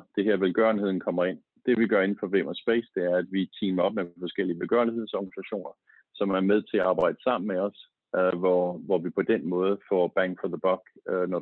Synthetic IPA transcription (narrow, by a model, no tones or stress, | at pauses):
d̥e̝ɦeɐʋelɡ̥ɶɐnhe̝ð̰ˠn̩kʰɒ̽m̰ɐe̝n̰ | d̥e̝ʋiɡ̥ɶɐe̝nn̩fɒ̽ʋemɐsb̥esd̥e̝æɐæd̥ʋit͡sʰiːmɐɒ̽b̥̚mefɒ̽sɡ̥el̰iəʋelɡ̥ɶ̰ɐnihe̝ð̰ˠsɒɡ̥ɐnisæɕo̝̰ːnɐ | sɒ̽mæɐmeð̞ˠt͡sʰe̝æɑ̈ːb̥ɑ̈ɪ̰d̥əsɑ̈m̰n̩meɒ̽s | ʋɒʋɒʋipʰɒ̽d̥enmɔ̽ːð̩ˠəfɒb̥æŋ̰ɡ̥fɒðəb̥ɒɡ̥nɒ